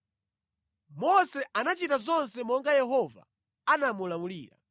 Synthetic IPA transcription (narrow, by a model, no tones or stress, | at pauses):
mɔsɛʔanat͡ʃitazɔnsɛmɔŋɡajɛɦɔva̰ | anamulamulḭːɾa̰